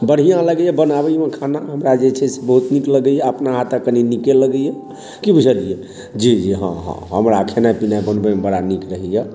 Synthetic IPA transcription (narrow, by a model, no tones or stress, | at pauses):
bəɽ̤ijãləɡəjɛbənabəjmekʰanaɦəmɾad͡ʒet͡ʃʰɛsebəɦut̪nikləɡəjaəpnaɦat̪əkəninikeləɡəjɛ | kibud͡ʒʱəlije | d͡ʒid͡ʒiɦə̰̃ɦə̰̃ɦəmɾakʰenapinabənbəmebəɽanikɾəɦijɛ